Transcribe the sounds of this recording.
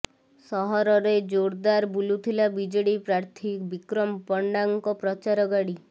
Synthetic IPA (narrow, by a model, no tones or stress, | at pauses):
sɔɦɔɾɔɾed͡ʒoɽd̪aɾbulut̪ʰilabid͡ʒɔɽipɾaɾt̪ʰikbikɾɔmpɔɳɖaŋkɔpɾɔt͡ʃaɾɔɡaɽi